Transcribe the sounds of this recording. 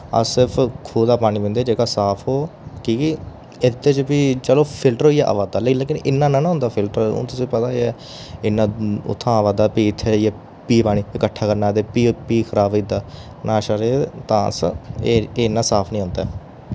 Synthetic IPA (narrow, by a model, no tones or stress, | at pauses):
ə̰sɪɾpʰkʰuːd̪aːpaːɽ̃iːʋẽnd̪eːd͡ʒeːkaːsaːpʰɦoːkiː | ɪt̪ːeːt͡ʃpiːt͡ʃəloːpʰɪlʈəɾɦoːiːɛːʔə̰ʋaːd̪aːleːleːkɪnɪnːãːnãːnɦʊ̃nd̪aːpʰɪlʈəɾõ̰ːt̪ʊsĩːpət̪aːeɛː | ɪnːãːʊ̰t̪ʰːãːəʋaːd̪aːpiːɪt̪ʰːeːjaː | piːpaːɽ̃iːɪkəʈʰːaːkəɾnaːt̪eːpiːpiːkʰəɾaːbid̪aː | nãːʃaɾeːt̪ã̰ːsəeeːɪnːãːsaːpʰnĩːɦʊ̃nd̪aː